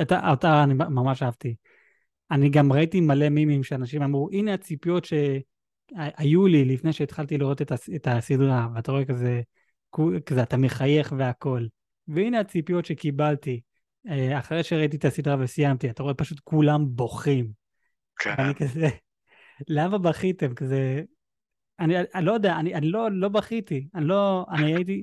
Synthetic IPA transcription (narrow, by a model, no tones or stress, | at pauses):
ata̰otaːnimamamaʃaavt̪i | aniɡamʁaitimale̞mimimʃeanaʃimamʁuʔineat͡sipijo̞tʃe̞ | ʔajulilifnejʃeːt̪χalt̪iliʁo̞t̪et̪asetasidʁaveataʁo̞e̞kaze̞ | kukazeat̪ameχaje̞χve̞ako̞l | veineat͡sipijo̞tʃekibalti | eaχaʁejʃeʁait̬iet̪asid̪ʁavesijamt̪iat̪aʁo̞e̞paʃut̪kulambo̞χim | kveanikaze | lamabaχit̪e̞mkaze | aniaʔlo̞jod̪eaanianilo̞lo̞baχit̪ianilo̞aniajit̬i